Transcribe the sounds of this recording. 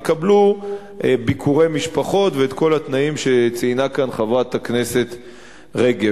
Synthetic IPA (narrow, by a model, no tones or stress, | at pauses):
kablu | ʔebikʰuʁe̞jmiʃpaχo̞tveːt̪ko̞lat̪naimʃe̞t͡siinakanχavʁat̪akne̞se̞t | ʁeɡe